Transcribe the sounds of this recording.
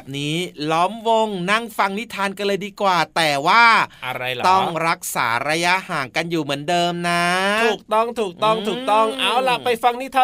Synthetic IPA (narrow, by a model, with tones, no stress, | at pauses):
bɛː˨˩p̚niː˦˥lɔː˦˥mwo˧ŋna˥˩ŋfa˧ŋni˦˥t̪ʰaː˧nka˧nlɤː˧jdiː˧kwaː˨˩t̪ɛː˨˩waː˥˩a˧ɾa˧jt̪ɔ˥˩ŋɾa˦˥k̚sa̰ː˩˦ɾa˧ja˦˥ʔhaː˩˦ŋka˧njuː˨˩mɯ˩˦ndɤː˧mna˦˥t̪ʰuː˨˩k̚t̪ɔ˥˩ŋt̪ʰuː˨˩k̚t̪ɔ˥˩ŋt̪ʰuː˨˩t̪ɔ˥˩ŋʔa˧˩wla˨˩pa˧jfa˧ŋni˦˥t̪ʰaː˧